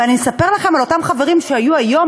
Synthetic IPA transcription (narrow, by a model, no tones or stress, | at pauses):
anisape̞ʁlaχe̞malo̞tamχave̞ʁimʃeajuajo̞